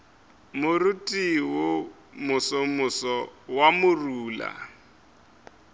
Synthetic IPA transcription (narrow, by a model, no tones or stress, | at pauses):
mʊrutʼiwʊ | mʊsɔmʊsɔwamʊruːla̰